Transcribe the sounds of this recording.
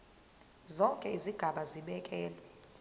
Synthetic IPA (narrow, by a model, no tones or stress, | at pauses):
zɔŋkʼɛiziɡ̥ʱaɓaziɓɛkʼɛːlɛ